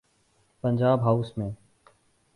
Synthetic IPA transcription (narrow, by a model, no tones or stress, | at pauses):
pənd͡ʒaːbɦausmẽː